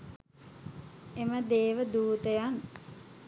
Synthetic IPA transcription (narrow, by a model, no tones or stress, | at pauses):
eməd̪eːʋəd̪uːt̪əjan